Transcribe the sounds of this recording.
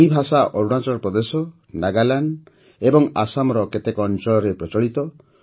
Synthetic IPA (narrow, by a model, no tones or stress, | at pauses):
ibʱasaʔɔɾuɽat͡ʃɔɾɔpɾɔd̪esɔ | naɡalanɖ | ebɔŋa̰samɔɾɔket̪ekɔnt͡ʃɔɭɔɾepɾɔt͡ʃɔɭit̪ɔ